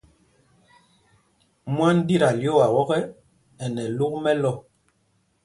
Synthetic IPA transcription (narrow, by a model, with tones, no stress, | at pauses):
mwa˦n˦di˦˨ɾa˨ljo˦˨a˨wɔ˦ɣɛ˦ | ɛ˨nɛ˨lu˦k̚mɛ˦lɔ˦˨